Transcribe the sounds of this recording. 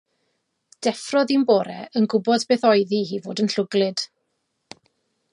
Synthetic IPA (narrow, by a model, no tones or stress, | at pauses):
d̥ɛfrɔðimboːɾɛənɡʊbɔdbeːθɔɨðihivoːdənɬʊɡlˠɨd̥